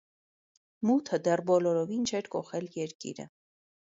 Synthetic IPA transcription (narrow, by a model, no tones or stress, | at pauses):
mut̪ʰəd̪ɛrbɔlɔɾɔvint͡ʃʰɛɾkɔχɛljɛɾkḭɾə̰